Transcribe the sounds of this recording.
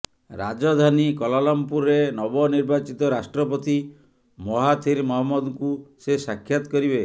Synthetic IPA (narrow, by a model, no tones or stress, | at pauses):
ɾa̰d͡ʒɔd̪ʱanikɔlalɔmpuɾenɔbɔniɾbat͡ʃit̪ɔɾasʈɾɔpɔt̪i | mɔɦat̪ʰiɾmɔɦɔmːɔd̪ŋkusesakʰːjat̪ɔ̥kɔɾibe